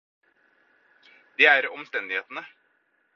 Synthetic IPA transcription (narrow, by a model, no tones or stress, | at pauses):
d̪eːæɾɔmst̪ɛnd̪ɪheːt̪ənə